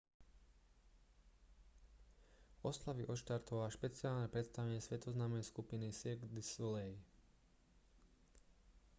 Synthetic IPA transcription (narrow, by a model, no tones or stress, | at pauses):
ɔslaʋiʔɔʃt̪aɾt̪ɔʋaʃpɛtt͡siaːlnɛpɾɛt̪st̪aʋɛɲɪɛsʋɛt̪ɔznaːmnɛjskupinisiɡd̪islɛj